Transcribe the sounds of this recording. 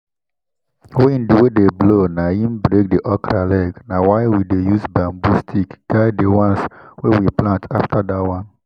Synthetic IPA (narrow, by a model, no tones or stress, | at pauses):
wɛĩnduwedeblonahĩmbɾek̚deʔɔkɾalɛɡnawaɪwidejuzbãmbustʰikɡ̥aɪdewãnswɛwiplãntʰaftʰadawãn